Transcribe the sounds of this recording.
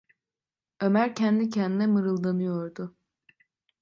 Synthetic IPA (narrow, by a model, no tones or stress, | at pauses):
ø̞mæɾcʰɛnd̪icʰɛnd̪inɛmɯɾɯlˠd̪anɯjoɾd̪ʊ